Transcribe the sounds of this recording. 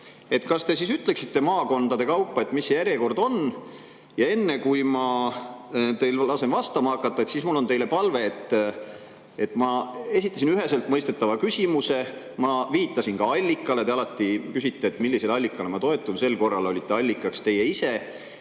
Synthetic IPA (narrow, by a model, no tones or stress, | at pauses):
e̞t̪ˑkɑst̪e̞sisyt̪ːˑle̞ksit̪ːe̞mɑːko̞nd̪̥ɑd̪̥e̞kɑwpˑːɑe̞t̪ːˑmisːe̞jæɾjeko̞rd̪o̞n | jɑe̞nːekujmɑ | t̪e̞jllɑse̞nvɑst̪ɑmɑɑkːˑɑt̪ːɑet̪sismulːo̞nt̪e̞jle̞pɑlve̞ːt̪ːˑ | e̞t̪ːˑmɑe̞sit̪ːˑɑs̬inyɦe̞selt̪ˑmɤjst̪e̞t̪ːɑvɑkysʲimuse̞ | mɑviːt̪ːˑɑsinkɑɑlʲːikːˑɑle̞t̪e̞ɑlɑt̪ːˑikysit̪ːe̞ːt̪ːˑmilːise̞lɑlʲːikːˑɑlemɑt̪o̞e̞t̪ːˑunse̞lːko̞rːɑlo̞lʲit̪ːe̞ɑlʲːikːˑɑkst̪e̞je̞ise̞